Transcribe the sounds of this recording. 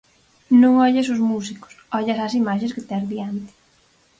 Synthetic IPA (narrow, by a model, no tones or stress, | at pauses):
nõŋɔʎas̬ʊzmus̬ikʊ̥sɔʎasas̬imaʃ̬ẽskɪt̪ɛɾðiant̪ɪ̥